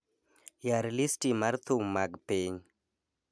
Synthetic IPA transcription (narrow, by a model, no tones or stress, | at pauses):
jaɾlistimaɾt̪ʰumaɡpeɲ